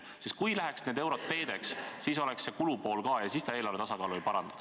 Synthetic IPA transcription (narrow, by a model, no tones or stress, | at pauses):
sist̪kujlæɦeksneːd̪e̞wɾo̞t̪ːe̞ːd̪̥e̞kssiːso̞lekse̞kulupo̞ːlkɑːjɑsiːst̪ɑeːlɑɾrvet̪ɑsɑkɑːluipɑɾɑnd̪ɑ̥d̥